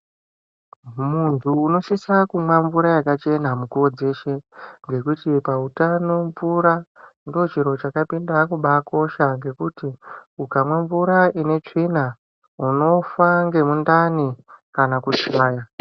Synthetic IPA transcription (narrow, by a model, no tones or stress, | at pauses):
muntʰuːno̞ʃisakumwaɱvuɾajakat͡ʃe̞namukuo̞d͡ze̞ʃe̞ŋɡe̞kutipautano̞ɱvuɾandio̞t͡ʃiɾo̞t͡ʃakapindakuɓako̞ʃaŋɡe̞kutiukamwaɱvuɾaʔine̞t͡ʂina | uno̞faŋɡe̞mundanikanakut͡ʃaːja